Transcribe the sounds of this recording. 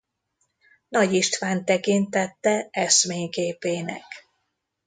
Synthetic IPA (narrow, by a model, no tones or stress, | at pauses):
nɒɟiʃt̪ʋaːnt̪ɛkint̪ɛt̪ːɛɛʃmeːɲɡeːpeːnɛ̰k